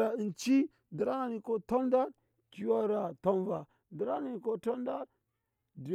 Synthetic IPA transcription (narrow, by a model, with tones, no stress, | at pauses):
ɾa˨i˨nt͡ʃi˦ | də˨ɾa˦na˨ni˨ko˦to˦nda˦ɾ | ki˨wa˦ɾa˨to˦nva˨ | də˨ɾa˦ni˨i˨ko˦to˦nda˦ɾ | di˨